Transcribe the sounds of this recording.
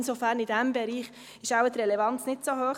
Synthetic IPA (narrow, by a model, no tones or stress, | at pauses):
nsofæɾnidæmbɛɾiːχ | ɪʃaʊwət̪ɾɛlɛvɑnt͡snɪtsohøːχ